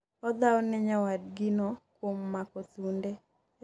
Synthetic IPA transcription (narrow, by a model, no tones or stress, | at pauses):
ɔd̪aɔnɛɲawad̚ɡɪnɔkwomːakɔt̪undɛ